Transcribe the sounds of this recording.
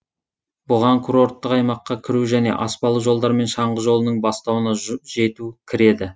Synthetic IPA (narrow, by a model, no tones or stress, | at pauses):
bʊʁɑŋkʰuɾo̞ɾt̪ːəqɑjmɑqːɑkʲʰɪɾuʒæne̞̰ʔɑspɑlˠəʒo̞lˠd̪ɑɾme̞nʃɑɴʁəʒo̞lˠənəɴbɑst̪ɑwənɑʒe̞t̪ukʲʰɪɾe̞d̪ɪ